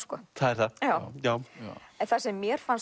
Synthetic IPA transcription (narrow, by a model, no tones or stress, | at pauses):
skɔ̰ːθaðɛɾ̥θajaːwjaːwɛnθasɛmːjɛɾ̥fans